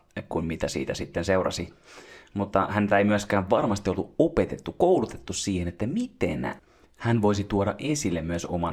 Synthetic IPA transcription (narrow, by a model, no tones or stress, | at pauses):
kunmit̪æsḭːt̪æsit̪ːenseurɑ̰simut̪ːɑhænt̪æeimyøskæːʋʋɑrmɑst̪iolːuopet̪et̪ːukoulut̪et̪ːussiːhenet̪ːæmit̪ḛn | hænʋoisit̪uoɾɑʔesilːemmyøso̰mɑ